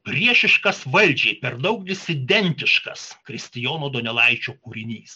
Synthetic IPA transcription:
pʲɾʲiɛʃʲɪʃkɐsʋɐlʲd͡ʒʲeːpʲɛɾd̪ɐʊk̚d̪ʲɪsʲɪd̪ʲɛnʲt̪ʲɪʃkɐskɾʲɪsʲt̪ʲɪjoːnoːd̪onʲɛlˠɐɪt͡ʃʲoːkuːɾʲɪnʲiːs

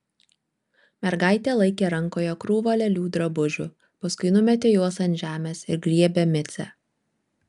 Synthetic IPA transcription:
mʲɛɾɡɑˑɪt̪ʲeːlˠɐɪkʲeːɾɐŋkoːjokɾuːʋoːlʲɛlʲuːd̪ɾɐbʊʒʲʊ̰ | pɐskʊɪnʊmʲɛt̪ʲeːjuɔsɐnt̪ʲʒʲæːmʲeːsɪɾɡɾʲiɛbʲɛmʲɪt̪sʲɛ̰

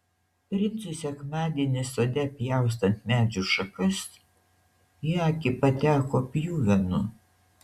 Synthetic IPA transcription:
t̪ʲɾʲɪnʲsʊsʲɛkmɑːd̪ʲiɛnʲɪsoːd̪ʲɛpʲjæˑʊs̬t̪ɐnt̪mʲæːd͡ʒʲʊʃɐkɐs | jiɐkʲɪpɐt̪ʲæːkoːpʲjuːʋʲɛnʊ

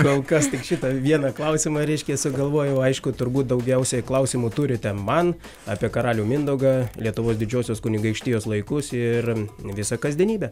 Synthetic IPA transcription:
koːlˠkɐst̪ʲɪkʃʲɪt̪ɐʋʲiɛnɐklˠɐʊsʲɪmɐɾʲɛɪʃʲkʲɛsʊɡɐlˠʋoːjɛɐɪʃkʊt̪ʊrbuːt̪̚d̪ɐʊɡʲɛʊsʲɛklˠɐʊsʲɪmuːt̪uɾʲɪt̪ʲɛmɐn | ɑːpʲiɛkɐɾɑːlʲuːmʲɪnd̪ɐʊɡɑlʲiɛt̪ʊʋoːsd̪ʲɪd͡ʒʲoːsʲʊskʊnʲɪɡɐɪkʃʲt̪ʲɪːjoːslˠɐɪkʊsɪrʋʲɪsɐkɐzʲd̪ʲiɛnʲiːbʲɛ

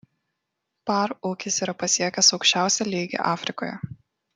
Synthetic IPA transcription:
pɑːɾʊːkʲɪsiːɾɐpɐsʲiɛkʲɛsɒʊkʃʲt͡ʃʲæˑʊsʲɛlʲiːɡʲḛʔɑːfʲɾʲɪkoːjɛ̰

